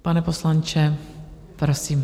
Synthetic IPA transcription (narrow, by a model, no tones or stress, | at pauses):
panɛposlant͡ʃɛ | pɾosiːm